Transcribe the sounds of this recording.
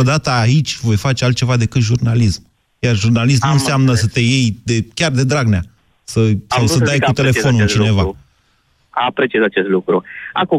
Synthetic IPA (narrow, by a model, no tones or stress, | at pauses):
od̪at̪əait͡ʃʲvo̞jfat͡ʃealt̪̚t͡ʃe̞vad̪e̞kɨt̪ʒurnalism | jarʒurnalis̬mnunseamnəsət̪e̞jejd̪ekʲard̪e̞d̪ɾaɡnea | səssawsədajkut̪e̞le̞fo̞nunt͡ʃine̞va | apɾet͡ʃiazat͡ʃest̪lukɾua̰ku